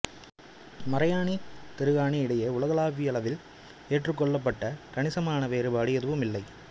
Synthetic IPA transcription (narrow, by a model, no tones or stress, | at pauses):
mɐɾɐjaːnit̪ɛɾɯɣaːniɪɽɐjɐʊɭɐɣɐɭaːʋijɐlɐʋɪl | eːʈrɯkːɔɭːɐpːɐʈːɐkɐɳɪsɐmaːnɐʋeːɾɯbaːɽɪjɐðɯʋɯmɪlːɐɪ